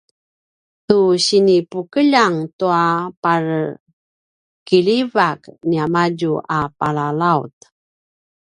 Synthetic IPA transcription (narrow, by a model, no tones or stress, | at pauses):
tuɕinipukəʎaŋtuapar | kiʎivakniamaɟuʔapalalaut̪